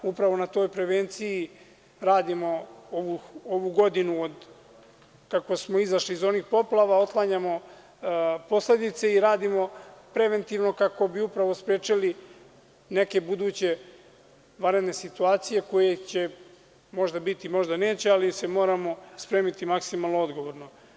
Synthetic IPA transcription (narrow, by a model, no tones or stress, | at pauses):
upɾaʋo̞nat̪o̞ːjpɾe̞ʋeːnt̪siji | ɾaːd̪imo̞oʋuoʋuɡo̞d̪inuod̪ | kako̞smo̞izaʃliːzo̞nixpo̞plˠaʋao̞t̪lˠaɲamo̞ | po̞sle̞d̪it̪se̞iɾaːd̪imo̞pɾe̞ʋe̞nt̪iʋno̞kako̞biupɾaʋo̞spɾeːt͡ʃili | ne̞ke̞bud̪uːt͡ɕe̞ | ʋaɾe̞d̪ne̞sit̪uaːt̪sije̞ko̞jet͡ɕe̞ | mo̞ʒd̪abit̪imo̞ʒd̪ane̞ːt͡ɕe̞alise̞mo̞ːɾamo̞spɾe̞ːmit̪imaksimalˠnoo̞d̪ɡo̞ʋo̞ɾno̞